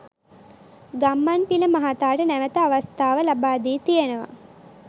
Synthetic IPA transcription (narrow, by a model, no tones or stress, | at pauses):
ɡamːanpiləmaɦat̪aːʈənæʋət̪əaʋast̪aːʋəlabaːd̪iːt̪ijenəʋa̰